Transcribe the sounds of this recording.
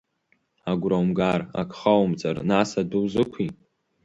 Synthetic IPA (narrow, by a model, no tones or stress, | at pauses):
aɡʷrawmɡara̰kʰʷʼχawmt͡sʼa̰rnasadɨwzɨkʷʰi